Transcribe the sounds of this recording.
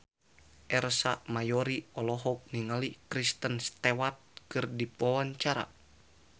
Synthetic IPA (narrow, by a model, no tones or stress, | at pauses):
ʔɛrsamajɔɾiɔlɔɦɔk̚niŋalikɾist̪ənst̪ewat̪̚kɨrdipawaɲt͡ʃaɾa̰